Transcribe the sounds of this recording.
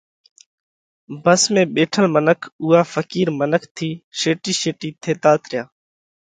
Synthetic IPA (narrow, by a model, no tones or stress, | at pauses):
bəsmẽːɓeːʈʰəlmənəkʰuːaːfəkiːɾmənəkʰt̪ʰiːʃeːʈiːʃeːʈiːt̪ʰeːt̪aːt̪ʰɾɪjaː